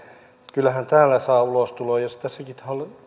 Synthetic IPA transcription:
kylːæhænt̪æːlːˑæsɑːulost̪uloːjjosi̥t̪æsækit̪hɑl

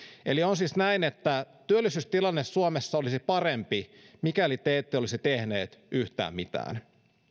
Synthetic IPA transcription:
elionsisnæinet̪ːæt̪yølːˑisyst̪ilɑnːesːuomesːɑolisipɑrempimikælit̪eːt̪ːeolisit̪ehnḛːt̪yht̪æ̰ːmmit̪æ̰ːn

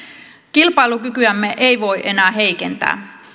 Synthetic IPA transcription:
kilpɑilukykyæmːeʔejʋo̞iʔe̞næːɦe̞ike̞nt̪æ̰ː

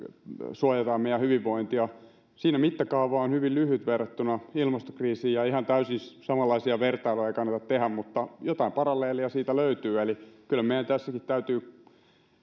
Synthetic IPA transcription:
suojɑt̪ɑmmeijæhyʋiʋːoint̪iɑ | siːnæmit̪ːækɑuʋɑːonhyʋillyhyt̪ʋerːɑt̪ːynɑilmɑst̪o̥kriːsiːjɑihɑnt̪æysinssɑmɑlːɑisiɑʋert̪ɑiloɑeikɑnːɑt̪ɑt̪t̪ehæmmut̪ːɑjot̪ɑimpɑrɑlːˑeːliɑsiːt̪æløyt̪yːelikylæmeˑijænt̪æsːækit̪t̪æyt̪yː

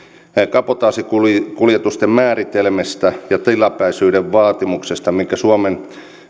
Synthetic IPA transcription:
kɑpot̪ɑːsikulkuljet̪ust̪emmæːrit̪elmest̪æjɑt̪ilɑpæisyːdeʋʋɑːt̪imuksest̪ɑmiŋkːæsuɑmen

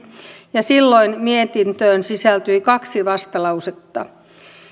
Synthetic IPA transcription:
jɑsilːoinmiet̪int̪øːnsisælt̪yikɑksiʋɑst̪ɑlɑuset̪ːɑ

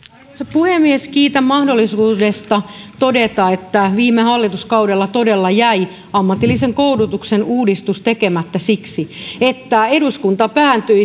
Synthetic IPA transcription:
sepuhemːieskiːt̪æmmɑhdolːisuːdest̪ɑt̪odet̪ɑet̪ːæʋiːmːehɑlːit̪uskɑudelːɑt̪odelːɑjæi | ɑmːɑt̪ːilːiseŋkoudut̪uksenuːdist̪ust̪ekemæt̪ːæsiksiet̪ːæeduskunt̪ɑpæːnt̪yi

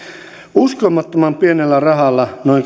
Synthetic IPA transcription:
uskomːɑt̪ːomɑmpienelːærɑɦɑlːɑnoiŋk

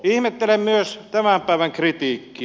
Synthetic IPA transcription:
ihmet̪ːelemmyøst̪æmæmpæˑeʋæŋkrit̪iːkːi

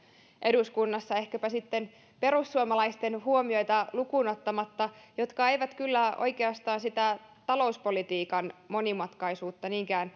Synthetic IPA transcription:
ʔe̞duskunːɑsːɑe̞hkæpæsit̪ːe̞n | pe̞ɾusːuomɑlɑjst̪e̞nɦuo̞mio̞jt̪ɑlukuno̞t̪ːɑmɑt̪ːɑjo̞t̪kɑe̞jʋæt̪kylːæo̞̰jke̞ɑst̪ɑːnsit̪æ | t̪ɑlo̞uspo̞lit̪iːkɑnmo̞nimɑt̪kɑjsuːt̪ːɑniːŋkæːn

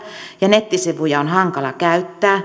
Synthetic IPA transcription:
jɑnet̪ːisiʋujɑonhɑŋkɑlɑkæyt̪ːæː

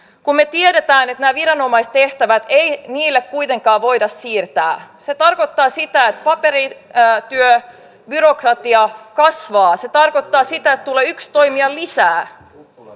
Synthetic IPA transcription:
kummet̪ieɾet̪æːnet̪næːʋirɑno̞mɑist̪eht̪æʋæt̪einiːlːekkujt̪e̞ŋkɑːʋo̞idɑssiːrt̪æ̰ːset̪ɑrkot̪ːɑːsit̪æet̪̚pɑpeɾit̪yø | byɾokrɑt̪iɑkɑsʋɑːset̪ɑrkot̪ːɑːsit̪æet̪t̪uleːykst̪oimiɑlisæː

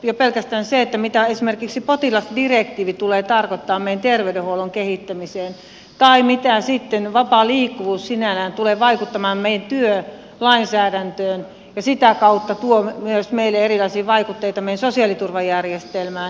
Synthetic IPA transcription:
jopelkæst̪æːnseet̪ːæmit̪æesimerkiksipot̪ilɑsdirekt̪iːʋit̪uleːt̪ɑrkot̪ːɑːmmeijæt̪erʋeydeholoŋkehit̪ːæmiseːn | t̪ɑimit̪æsit̪ːenʋɑpɑliːkːuʋuːssinælæːnt̪uleːʋɑikut̪ːɑmɑːmmeijænt̪yø | lɑinsæːdænt̪øːn | jɑsit̪ækɑut̪ːɑt̪uomyøsmeilːeerilɑisiːʋɑikut̪ːeit̪ɑmejænsosiɑlit̪urʋɑjærjest̪elmæːn

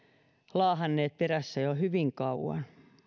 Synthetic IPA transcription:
lɑːhɑnːeːt̪̚peræsːæjohyʋiŋkɑuwɑ̰n

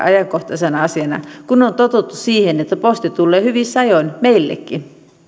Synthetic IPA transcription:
ɑjɑŋkoht̪ɑsenɑɑsiɑnɑ̰kunont̪ot̪ut̪ːussiːhenet̪ːæpost̪it̪ulːeːhyʋisɑjoinmeilːḛkːi

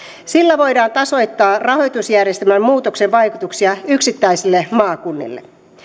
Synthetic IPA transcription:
silːæʋo̞jdɑːnt̪ɑso̞jt̪ːɑːrɑho̞jt̪usjærjest̪emæmmuːt̪oksenʋɑjkut̪uksiɑyksit̪ːæjsilːemɑːkunːḭlːḛ

